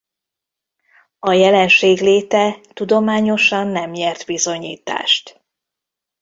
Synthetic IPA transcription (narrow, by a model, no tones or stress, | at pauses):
ɒjɛlɛnʃeːɡleːt̪ɛt̪ud̪o̞maːɲo̞ʃɒnːɛmjɛrt̪bizo̞ɲḭːt̪a̰ːʃt̪